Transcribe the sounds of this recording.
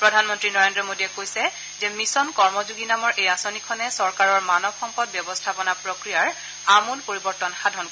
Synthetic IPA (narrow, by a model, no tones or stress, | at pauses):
pɹɔdʱanmɔntɹinɔɹendɹɔmodiɛkojsɛ | zɛmisɔnkɔɹmɔzuɡinamɔɹʔejasonikʰɔnɛsɔɹkaɹɔɹmanɔbxɔmpɔd̚bjɔbɔstʰapɔnapɹokɹijaɹ | amunpoɹibɔɹtɔnxadʱɔnko